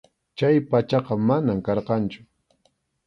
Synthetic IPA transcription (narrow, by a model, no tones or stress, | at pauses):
t͡ʃajpat͡ʃɑqɑmanamkɑɾqɑnt͡ʃʊ̥